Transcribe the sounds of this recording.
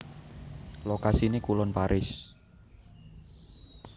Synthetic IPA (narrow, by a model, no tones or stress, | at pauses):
lokasinekulɔnpaɾʔɪs